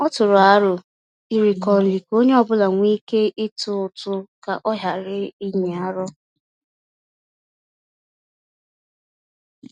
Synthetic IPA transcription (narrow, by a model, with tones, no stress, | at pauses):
ɔ˦tʊ˨ɾʊ˨a˦ɾʊ˨ | i˨ɾi˨kɔ˨li˨ko˦ɲe˦ɔ˨bʊ˦la˨ŋʷiː˦ke˦ʔɪ˦tʊ˦ʊ˨tʊ˦ka̰˨ʔɔ˦ɦja˨ɾɪ˦i˦ɲe˨a˦ɾɔ˦